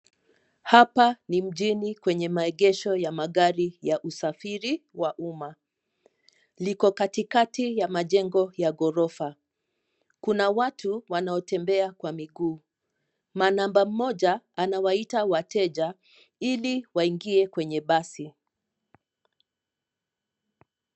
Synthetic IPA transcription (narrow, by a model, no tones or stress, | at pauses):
hapanim̩ʄinikwɛɲɛmaɛɠɛʃɔjamaɠaɾijaʔusafiɾiwaʔuma | likɔkatikatijamaʄɛŋɡɔjaɡɔɾɔfa | kunawatʰuwanaɔtɛmbɛakwamiɡuː | manambam̩mɔʄaːnawaitawatɛʄa | iliwaiŋɡiɛkwɛɲɛɓasi